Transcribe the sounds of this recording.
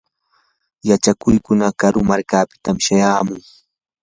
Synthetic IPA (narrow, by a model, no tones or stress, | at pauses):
jat͡ʃakʊjkʊnakaɾʊmaɾkaːpɪ̥t̪amʃajaːmʊŋ